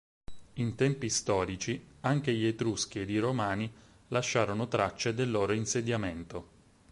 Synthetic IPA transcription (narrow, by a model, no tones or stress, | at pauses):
int̪ɛmpist̪ɔːɾit͡ʃiaŋk̟eʎet̪ɾusk̟ied̪iɾomaːni | laʃːaːɾonot̪ɾat͡ʃːed̪elːoːɾoinsed̪jament̪o